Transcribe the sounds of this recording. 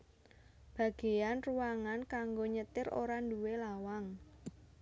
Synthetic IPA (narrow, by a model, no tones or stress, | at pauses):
b̥ä̤ɡ̥e̤janruwaŋankaŋɡoɲət̪ɪɾo̰ɾanduwelawaŋ